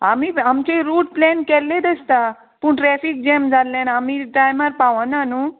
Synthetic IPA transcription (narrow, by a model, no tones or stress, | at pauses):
amiamt͡ɕeɾuːʈ̚plɛnkɛlːẽd̪əst̪a | puːɳʈɾɛfik̚d͡ʑɛmd͡zʱalːẽnamiʈajmaɾpaʋənanu